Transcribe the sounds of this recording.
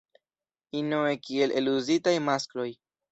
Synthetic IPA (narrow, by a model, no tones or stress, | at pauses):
inoekie̞le̞luzitajmasklo̞j